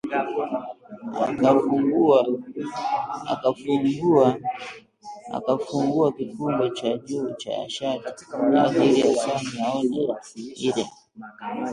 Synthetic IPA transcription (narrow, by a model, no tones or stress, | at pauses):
a̰kafuŋɡua | a̰kafuŋɡua | a̰kafuŋɡuakikumbɛt͡ʃaʄuːt͡ʃa̰a̰ʃati̥a̰hiɾiasamunaɔna̰iɾɛ̰